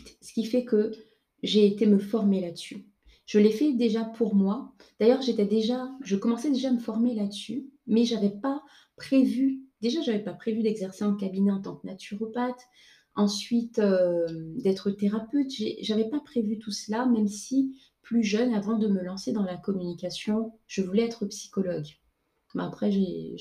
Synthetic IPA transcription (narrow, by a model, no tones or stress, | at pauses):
sə̥kʲifɛkə | ʒeːt̪eməfɔʁmelad̪əsy | ʒ̥əlefɛd̪eʒapʰuʁmwa | d̪̥ajœʁʒet̪ɛd̪eʒaʒəkɔmɑ̃sɛd̪eʒaːməfɔʁmelad̪əsymɛʒavɛpa | pχevyd̪eʒaʒavɛpapχevyd̪ɛɡzɛʁseɑ̃kabinɛɑ̃t̪ɑ̃knat̪ʰyʁɔpat̪ | ɑ̃sɥit̪ømd̪ɛt̪χət̪eʁapøt̪ʒeʒavɛpapχevyt̪uslamɛmsi | plyʒœnavɑ̃d̪əməlɑ̃sed̪ɑ̃lakɔmynikasjɔ̃ʒ̥əvulɛɛt̪χəpsi̥kɔlɔɡ | bɛ̰apχɛʒe